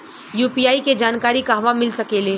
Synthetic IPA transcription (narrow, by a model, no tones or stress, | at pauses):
juːpiːaːiked͡ʒaːnkaːɾikaɦɐʋamɪlsɐkeːleː